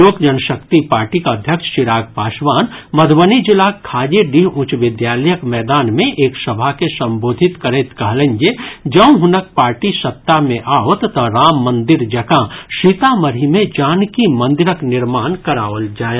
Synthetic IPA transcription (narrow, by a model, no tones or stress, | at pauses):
oːkd͡ʒɐnəʃəkt̪ipaːɾʈikaəd̪ʱjəkʃʃɪɾaːɡpaːʃʋaːnmɐd̪ʱʋənid͡ʒɪlaːkʰːaːd͡ʒeɖiɦʊ̃t͡ʃʋɪd̪jaːləjəkmɛːd̪aːnmẽʔeːksɐbʱakesɐ̃mboːd̪ʱɪt̪kəɾeːt̪kɐɦlẽŋd͡ʒed͡ʒɐ̃ũɦʊnək̚paːɾʈisɐt̪ːamẽʔaːot̪t̪əɾaːmːɐ̃nd̪ɪɾd͡ʒɐkãʃiːt̪aməɾimẽd͡ʒaːnkimɐ̃nd̪ɪɾəknɪɾmaːnkɐɾaːʋəld͡ʒaːe